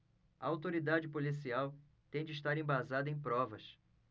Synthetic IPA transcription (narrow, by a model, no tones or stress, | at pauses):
ɐ̰awt̪oɾid̪ad͡ʒɪpolisiaw | t̪ẽd͡ʒɪiʃt̪aɾẽj̃bazad̪ɐẽj̃pɾɔvɐs